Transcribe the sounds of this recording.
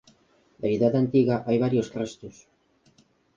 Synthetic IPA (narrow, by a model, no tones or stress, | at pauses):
d̪aβiðaðeant̪iɣaʔajβ̞aɾjost̪ɾest̪us